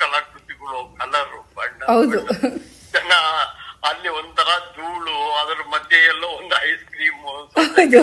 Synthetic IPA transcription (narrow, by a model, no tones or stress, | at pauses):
kɐlɐkɾut̪iɡɐɭokɐlɐɾubɐɳɖɐɦɐwd̪u | d͡ʒɐnɐɐlːiond̪ut̪ʰɐɾɐd͡ʒuːɭuɐd̪ɐɾumɐd̪ʱjɐɛlːoond̪uɦɐjskɾiːmuɐnsɐɐwd̪u